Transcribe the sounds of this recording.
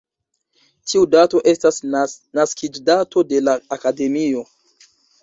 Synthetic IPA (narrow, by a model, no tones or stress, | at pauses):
tʰiudato̞ʔe̞stasnaskʰid͡ʒdato̞de̞laːkade̞mio̞